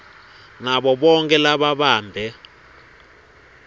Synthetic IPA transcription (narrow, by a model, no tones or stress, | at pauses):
ŋaɓɔɓɔŋkʼɛlaɓaɓaːmbʱɛ